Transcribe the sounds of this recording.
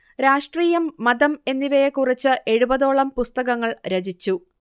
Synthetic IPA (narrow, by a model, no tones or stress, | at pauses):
ɾaːʂʈriːjɐmːɐd̪ɐme̞nːiʋɐjekurit͡ɕːɨʔe̞ɻubɐðo̞ːɭɐmpust̪ɐɣɐŋːɐɭɾed͡ʑit͡ɕːu